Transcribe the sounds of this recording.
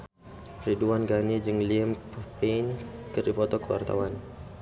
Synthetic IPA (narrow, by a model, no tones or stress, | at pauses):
riduanɡanid͡ʒɨŋliəmpəpenkərdipɔt̪ɔkəwa̰rt̪a̰wan